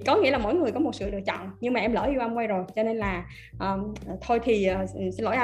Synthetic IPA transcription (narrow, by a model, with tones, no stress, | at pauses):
kɔ˨˦ŋḭ˧˥əlaː˨˩mo̰˧˥˨jŋɨ˨˩jkɔ˨˦mo˨˩t̚sɨ̰˧˨ɗɨ˨˩ək̚t͡ɕɔ̰˧˨ŋ͡mɲɨ˧ŋmaː˨˩ʔɛ˧mlə̰ː˧˩ʔu˧ʔa˧mŋ͡mkwa˧jzo˨˩jt͡ɕɔ˧ne˧nlaː˨˩ | ʔəː˨˩˨t̪ʰo˧jt̪ʰi˨˩ʔə˨˩˨lo̰˧˨ʔa˧